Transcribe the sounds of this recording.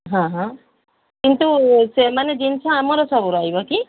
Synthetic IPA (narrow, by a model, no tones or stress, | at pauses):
ɦãɦã | kint̪usemaned͡ʒint͡ʃʰɔ̃amɔɾɔsɔbuɾɔɦibɔki